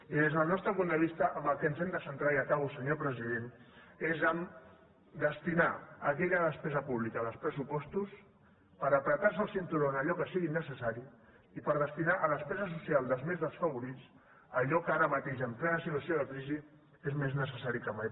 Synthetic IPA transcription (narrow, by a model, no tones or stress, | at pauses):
iðezð̞əlnɔst̪ɾəpund̪əβ̞ist̪əʔəmbəlˠkɛnzɛmd̪əsənt̪ɾaiəkaβusəɲopɾəziðen | ezəm | d̪əst̪inaəɣɛʎaðəspɛzəpuβ̞likəðəlˠspɾəsupɔst̪us | pəɾəpɾət̪aɾsəlˠsint̪uɾonəʎɔkəsiɣinəsəsaɾi | ipəɾð̞əst̪inaʔələspɛzəs̬usialˠd̪əlˠzmezðəlˠsfəβuɾit͡s | əʎɔkaɾəmət̪eʃəmplɛðəsit̪wəsijoðəkɾizi | ezmeznəs̬əsaɾikəmaj